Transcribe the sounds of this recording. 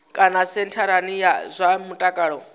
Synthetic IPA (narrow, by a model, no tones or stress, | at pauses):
kʼanasɛntʰaɾanijazʷamutʼakʼaɺɔ